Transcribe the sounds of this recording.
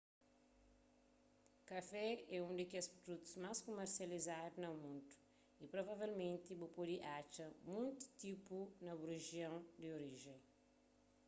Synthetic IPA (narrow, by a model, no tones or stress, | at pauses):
kɐfɛɛũnd̪ɪkespɾod̪ut̪u̥zmaskomeɾsiɐlizad̪unɐmũnt̪u̥ | ipɾovavelmẽnt̪ibupod̪iʔat͡ʃɐmũnt̪u̥t̪ipunɐbuɾeʒjɐ̃w̃d̪ɪoɾiʒẽj̃